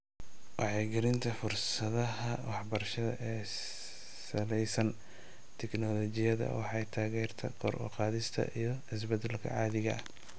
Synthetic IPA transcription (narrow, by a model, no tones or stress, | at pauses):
wʔɑʕɛːɡɪɾɪnt̪ʰɐfʊrsɐðɐɦɐwɑħbɐrʃɐðɐ̰ʔɛː | sɐlɛjsɐn | t̪ʰɛknɔlɔt͡ʃɪjɐðɐ̰wɑħɑjt̪ʰaːɣɛːrt̪ʰɐ̰kʰɔɾʔɔ̰qɑːðɪst̪ʰɐ̰ʔijɞɪs̬bɐd̪ɛlkʰɐ̰ʕɑːðɪɣɐ̰ɐh